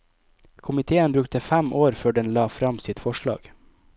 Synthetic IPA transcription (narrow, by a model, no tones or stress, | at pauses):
kʰʊmɪt̪ʰeːənbɾʉk̚t̪əfæmʔoːɾføːɖɛnlɑːfɾɑmsɪt̪fɔʃɭɑ̰ːɡ̥